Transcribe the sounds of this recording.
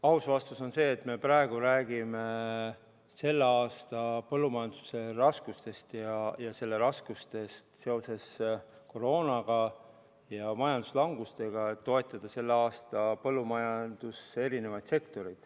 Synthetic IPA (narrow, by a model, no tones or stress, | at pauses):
ɑusvɑst̪uso̞nse̞ːt̪ːˑme̞pɾɑe̞ɡ̥uɾæːɡ̥ime̞ | se̞lːeɑːst̪ɑpɤlːumɑjɑnd̪̥u̥se̞rɑskust̪e̞st̪jɑjɑse̞lːe̞ɾɑskust̪e̞st̪se̞o̞se̞sko̞ɾo̞ːnɑɡ̥ɑ | jɑmɑjɑnd̪̥uslɑŋɡ̥ust̪e̞ɡ̥ɑet̪ːo̞e̞t̪ːˑɑd̪̥ɑse̞lːeɑːst̪ɑpɤlːumɑjɑnd̪̥use̞ɾine̞vɑjd̪se̞kt̪o̞ɾid̪̥